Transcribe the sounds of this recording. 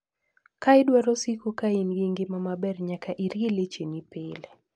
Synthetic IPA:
kaɪdwaɾosikukainɡiŋɡɪmamabɛrɲakaʔiɾɡelet͡ʃenipɪle

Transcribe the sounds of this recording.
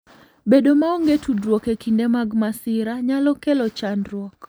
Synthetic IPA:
bedomaoŋɡetʰudɾwokekindemaɡmasɪɾaɲalɔkelɔt͡ʃanɾwɔk

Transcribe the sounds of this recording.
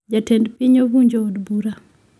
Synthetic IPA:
d͡ʒatɛndpiɲobuɲd͡ʒoːdbuɾa

